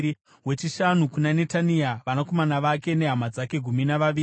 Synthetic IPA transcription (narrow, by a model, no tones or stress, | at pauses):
i | we̞t͡ʃiʃanukunane̞taniaʋanako̞manaʋake̞ne̞ɦamad͡zake̞ɡʱuminaʋaʋiː